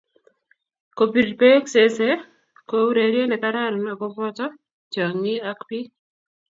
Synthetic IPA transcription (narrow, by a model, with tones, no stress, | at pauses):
ko˨pi˨dpe˦kse˦se˦ | kowɾe˨ɾje˦nɛ˨kaɾa˦ɾnɔ˨ɡɔ˦pɔ˦tɔ˦ | t͡ʃa˨ŋi˦a˦kpi˦